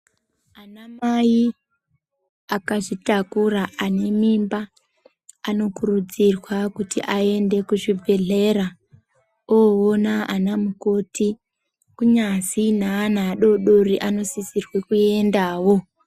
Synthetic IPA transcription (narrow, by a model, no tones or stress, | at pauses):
anamai | akaʐitakuraːne̞mimbaː | no̞kurud͡zirwakutḭʔae̞nde̞kuʐibʱe̞ɮe̞ɾa | oonaanamukoti | kuɲasinaːnaːɗo̞ɗo̞riʔano̞sisirwe̞kue̞ndaːwo̞